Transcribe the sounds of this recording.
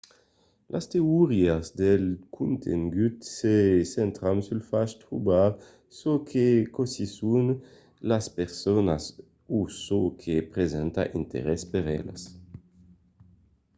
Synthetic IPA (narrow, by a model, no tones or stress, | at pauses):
lʔa̰st̪euʁiazd̪elkʰunt̪ʰḛŋɡyt̪sesent̪ɾamsylfaʃt̪ɾubaɾ | sokʰekosisun | laspeʁsonas | usokʰepɾezɛnt̪a̰ʔint̪ḛɾɛspeɾɛ̰la̰s